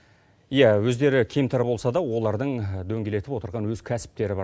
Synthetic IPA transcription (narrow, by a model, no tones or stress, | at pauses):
ijæwɵzd̪e̞ɾɪkʲʰemt̪ɑɾbo̞lˠsɑd̪ɑwo̞lˠɑɾd̪əɴd̪ɵŋɡʲe̞le̞t̪ɪpwo̞t̪əɾʁɑnwɵz̥kʲʰæsɪ̥p̚t̪e̞ɾɪbɑ